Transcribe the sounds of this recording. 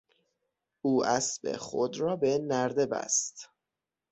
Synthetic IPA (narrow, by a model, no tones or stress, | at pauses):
ʔuːʔæsbḛxo̰d̪ɾɒːbenæɾd̪e̞bæ̰st̪